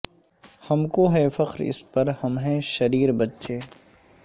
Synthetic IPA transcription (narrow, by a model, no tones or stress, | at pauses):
hɐmkoɦɛːfɐqɾɪ̰spɐɾhɐmɦɛ̃ʃɐɾiːɾbɐtːʃʰeː